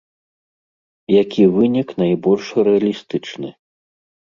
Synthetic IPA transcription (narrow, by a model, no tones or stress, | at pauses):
jakʲivɨnʲiknajbɔlʲʂɾɛɐlʲist̪ɨt͡ʂnɨ